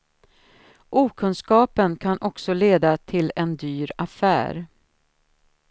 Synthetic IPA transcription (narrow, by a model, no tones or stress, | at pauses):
ʔuːkʰɵnskɑːpənkʰanʔɔksɔleːd̪at̪ʰɪlɛnd̪yːɾafæ̰ːɾ